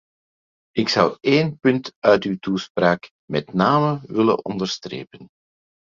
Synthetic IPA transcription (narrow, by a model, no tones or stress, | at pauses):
ɪksʌweːnpɵntœɥtywtuspraːk | mɛtnaːməʋɪlə̰nɔ̰ndəɹstrḛːpən